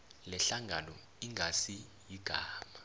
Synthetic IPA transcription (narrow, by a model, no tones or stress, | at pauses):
lɛɬaŋɡʱanɔ | iŋʱasi | jiɡ̥ʱaːma